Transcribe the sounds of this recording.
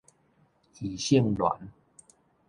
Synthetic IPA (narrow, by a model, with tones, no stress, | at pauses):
hi˨˩ɕi˥˧ŋlwa̰˨˦n